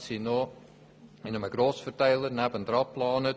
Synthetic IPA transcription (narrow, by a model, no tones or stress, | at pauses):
sinoː | ɪnəməɡroːsfərtɛjlˠərnɛpəndrɑplɑːnə